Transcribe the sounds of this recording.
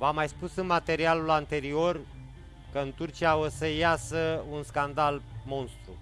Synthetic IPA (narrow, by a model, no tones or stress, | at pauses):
vamajspusɨnmat̪e̞ɾialulant̪e̞ɾio̞r | kəɨnt̪urt͡ʃiaosəjasəunskand̪almo̞nst̪ɾṵ